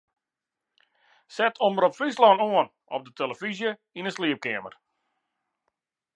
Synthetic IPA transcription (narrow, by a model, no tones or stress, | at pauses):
sɛtʰoməɾɔpflislɔnoən | ɔ̰p̚dətʰeləfizjə | inəsliəp̚kɛəmə̰r